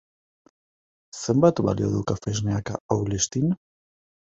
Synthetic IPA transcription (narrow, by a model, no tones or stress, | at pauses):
sembat̪βa̰lio̰ðukafeʒneakaawlest̪in